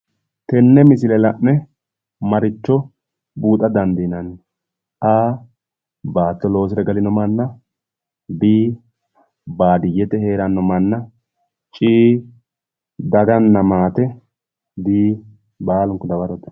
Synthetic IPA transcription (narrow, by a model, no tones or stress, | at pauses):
t̪ɛnːɛmɪs̬ɪlɛlɐʔnɛ | mɐɾɪt͡ʃːɔ | buːt̪ʼːɐd̪ɐnd̪inɐn | ʔaː | baːt̪ːɔlo̞ːs̬ɪɾɐɡɐlɪnɔmɐnːɐ | biː | baːd̪ɪjɛt̪ɛheːɾɐnːɔmɐnːɐ | t͡ʃʼiː | d̪ɐɡɐnːɐmaːt̪ɛ | d̪iː | baːlʊŋkːɔd̪ɐwɐɾɔt̪ɐ̥